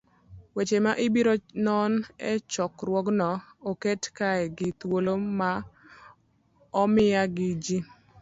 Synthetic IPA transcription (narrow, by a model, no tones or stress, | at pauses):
wet͡ʃemaʔɪbiɾonɔnɛt͡ʃɔkɾwɔɡnɔoketkaɛɡɪt̪woloma | ɔmɪaɡɪd͡ʒi